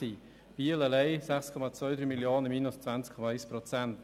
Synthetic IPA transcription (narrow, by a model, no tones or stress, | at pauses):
iː | b̥iələlɛɪsɛχskʰɔmat͡svœʏd̪ɾyːmiljoːnəmiːnʊst͡svant͡skʰɔmaaɪspɾɔt͡sɛnt